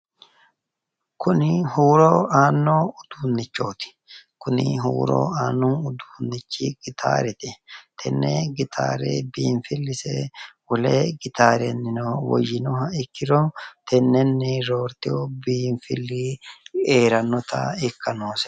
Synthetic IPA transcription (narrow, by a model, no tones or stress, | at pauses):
kʰʊnɪhuːɾoːaːnːoːʊd̪̥uːnːɪt͡ʃːo̞ːt̪ɪ̥ | kʊnɪ̰ɦṵːɾo̰ːaːnːoʊd̪uːnːɪt͡ʃːɪɡɪt̪ʰa̰ːɾɛt̪ɪt̪ʰɛnːɛɡɪt̪ʰa̰ːɾḛːbiːɱfɪlːɪsɛwɔleɡɪt̪aːɾɛnːɪnowɔ̰jːɪnɔɦɐɪkːɪɾɔt̪ʰɛnːɛnːɪɾo̞ːɾt̪ɪobiːɱfɪlːɪeːɾɐnːɔt̪ɐ̰ɪkːɐnoːsɛ̥